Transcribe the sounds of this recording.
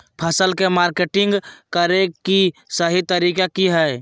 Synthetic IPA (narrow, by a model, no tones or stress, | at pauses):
pʰəsəlkemaːɾkeʈɪ̃ŋɡkəɾekisəɦit̪əɾiːkakiɦɛː